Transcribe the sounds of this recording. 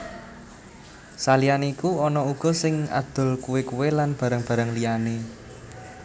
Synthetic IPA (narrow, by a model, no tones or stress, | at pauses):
salijanikuɔnɔuɡ̥ɔ̤sɪŋa̰d̪̥ʊ̤lkuwekuwelanb̥ä̤ɾəŋb̥ä̤ɾəŋlijane